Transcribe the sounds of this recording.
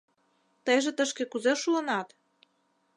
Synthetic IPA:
t̪əjʒĕt̪əʃkekuzeʃuənɑt̪

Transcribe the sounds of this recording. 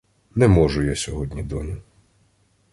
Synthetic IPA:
nɛmɔʒʊjasʲɔɦɔdʲnʲid̪ɔnʲʊ

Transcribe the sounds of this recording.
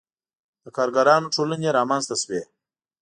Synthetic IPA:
d̪̥əkʰaːɾɡɐɾɑːnoʈʰoːləneɾɑːmanzt̪ɐswe

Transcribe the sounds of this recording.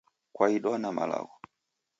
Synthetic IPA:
kwaiɗwanama̰la̰ɣɔ

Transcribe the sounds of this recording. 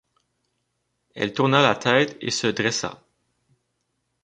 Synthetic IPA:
ɛ̰lt̪uʁnalat̪ʰɛːt̪ḛsəd̪ʁɛsa̰

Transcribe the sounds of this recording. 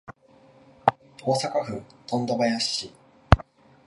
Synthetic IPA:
o̞ːsakaɸɯ̟̃t̪õ̞nd̪o̞bajaɕi

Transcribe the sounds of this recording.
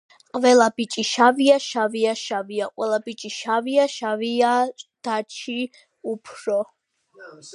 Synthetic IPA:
qʼvɛlabit͡ʃʼiʃaviaʃaviaʃaviaqʼwɛlabit͡ʃʼiʃaviaʃaviad̪̥at͡ʃʰi | upʰɾɔ

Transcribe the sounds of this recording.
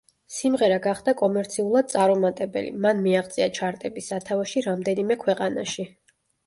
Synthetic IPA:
simʁɛɾaɡaχd̪akʼɔmɛɾt̪sʰiulˠad̪̚sʼaɾɔmat̪ʼɛbɛ̰lḭmanmiaχt̪sʼiat͡ʃʰaɾt̪ʼɛbisːat̪ʰavaʃiɾamd̪ɛnimɛkʰwɛqʼana̰ʃi

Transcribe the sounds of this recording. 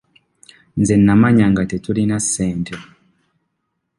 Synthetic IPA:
nzenːamaɲaŋɡatetulinasːeːntʰe

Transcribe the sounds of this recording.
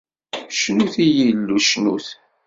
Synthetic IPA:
ʃnuθijilːuʃnṵθ

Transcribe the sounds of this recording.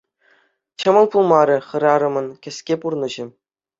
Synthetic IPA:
t͡ɕɤ̆mɤ̆lˠpulˠmɑɾʲɤ̆χɤ̆ɾɑɾɤ̆mɤ̆nkʲɘ̆sʲkʲepurnɤ̆ʑɘ̆

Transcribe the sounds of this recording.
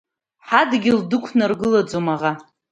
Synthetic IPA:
ħadɡʲɪldɨkʷʰnarɡɨlad͡zomaʁa

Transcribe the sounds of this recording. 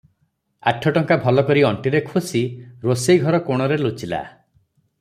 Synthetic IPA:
a̰ʈʰɔʈɔŋkabʱɔlɔkɔɾiɔɳʈiɾekʰusiɾosejɡʱɔɾɔkoɽ̃ɔɾelut͡ʃila̰

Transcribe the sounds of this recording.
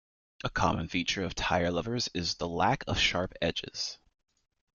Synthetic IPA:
ʔəkʰɑ̰mə̃nfit͡ʃə˞ʌv̥tʰaɪə˞lʌvə˞zɪzðəlækʰʌv̥ʃɑɹpɛd͡ʒɪ̰z̥

